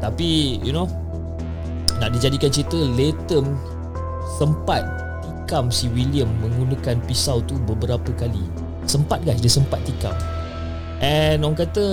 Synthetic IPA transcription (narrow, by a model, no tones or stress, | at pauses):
t̪apijṵno | naʔ̚did͡ʒadikant͡ʃit̪əlet̪əm | səmpat̪̚ː | ikamsiwiliəmːə̃ŋɡunəkanpisawt̪ubəbəɾapəkalḭ | səmpat̪̚ɡajs̬dəsəmpat̪̚ːika̰m | ʔɛnɔŋkat̪ə